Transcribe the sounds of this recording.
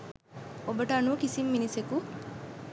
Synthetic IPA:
obəʈəanukisimːiniseku

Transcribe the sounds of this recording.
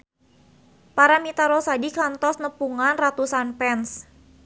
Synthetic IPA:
paɾamit̪aɾosadikant̪ɔsnəpuŋanrat̪usanpɛns

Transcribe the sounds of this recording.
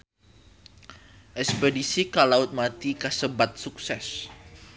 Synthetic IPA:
ʔɛkspədisikalaʊt̪̚mat̪ikasəbat̪̚suksɛs

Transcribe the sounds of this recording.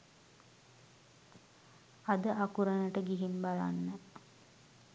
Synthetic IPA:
ad̪əʔakuɾənəʈəɡiɦimbala̰nːə

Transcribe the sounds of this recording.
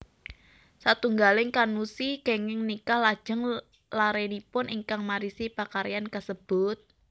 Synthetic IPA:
sat̪uŋɡalɪŋkanusikeŋɪŋnikahlad̥ʒ̥ə̤ŋ | laɾenipʊniŋkaŋmaɾisipakaɾjankəsəb̥ʊt̪̚

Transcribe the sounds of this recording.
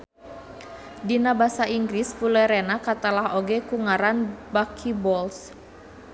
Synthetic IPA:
dinabasaʔiŋɡɾispuleɾenakat̪alaɦoɡekuŋaɾanbakʰibɔls

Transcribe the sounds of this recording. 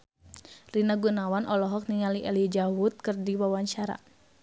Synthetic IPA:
rinaɡunawanʔɔlɔɦɔk̚niŋaliʔɛlid͡ʒawut̪̚kɨrdiwawaɲt͡ʃaɾa̰

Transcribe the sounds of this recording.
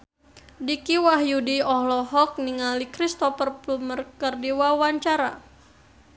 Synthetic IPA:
dikiwaɦjudiɔhlɔɦɔk̚niŋalikɾist̪ɔfərplumərkərdiwawaɲt͡ʃaɾa̰

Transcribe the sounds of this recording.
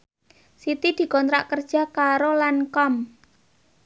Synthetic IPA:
sit̪id̪̥i̤kɔnt̪ɾaʔkərd̥ʒ̥a̤kaɾolankɔm

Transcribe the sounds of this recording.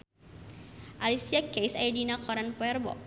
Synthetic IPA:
ʔalisiakejsajdinakɔɾanpɔɛrbɔ̰ʔ

